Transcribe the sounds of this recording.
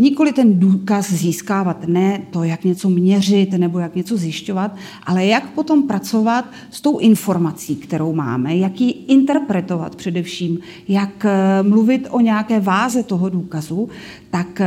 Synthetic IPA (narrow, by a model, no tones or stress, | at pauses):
ɲɪko̞lɪt̪ɛnduːkasziːskaːvat̪nɛt̪o̞jakɲɛt͡so̞mɲɛr̝ɪt̪nɛbo̞jakɲɛt͡so̞zjɪʃco̞vat̪ | ʔalɛjakpo̞t̪o̞mpɾat͡so̞vat̪ | st̪o̞wʔɪnfo̞ɾmat͡siːkt̪ɛɾo̞wma̰ːmɛjakjiʔɪnt̪ɛɾpɾɛt̪o̞va̰t̪pr̝̥ɛdɛfʃiːm | jakmluvɪt̪o̞ɲɛakɛːvaːzɛt̪o̞ɦo̞duːkazu | t̪ak